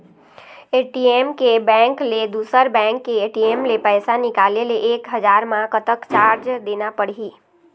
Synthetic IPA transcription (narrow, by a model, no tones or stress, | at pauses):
eːʈieːmkebɛ̃ːŋkled̪uːsəɾbɛ̃ːŋkːeeːʈieːmlepɛːsanɪkaːleleʔeːkɦəd͡ʒaːɾmãkət̪əkt͡ʃaːɾd͡ʒd̪eːnapəɽɦiː